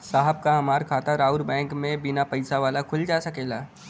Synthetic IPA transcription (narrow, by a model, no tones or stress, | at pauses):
saːɦəb̚kaɦɐmaːɾkʰaːt̪aɾaːʊɾbɛ̃ːŋkmẽbɪnapɐɪsaʋaːlakʰʊld͡ʒaːsɐkeːlaː